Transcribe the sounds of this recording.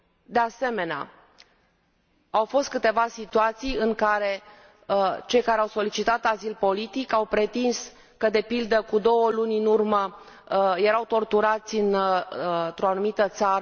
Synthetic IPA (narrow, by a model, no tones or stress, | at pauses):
d̪e̞ase̞me̞nea̰ | awfo̞st̪̚kɨt̪e̞vasit̪uat̪sijɨŋkaɾe̞ | t͡ʃe̞jkaɾeawso̞lit͡ʃit̪at̪azilpo̞lit̪ikawpɾe̞t̪ins | kəd̪e̞pild̪əkud̪o̞wəlunʲɨnurmə | je̞ɾawt̪o̞rt̪uɾat̪sʲɨn | nt̪ɾo̞anumit̪ət̪saɾə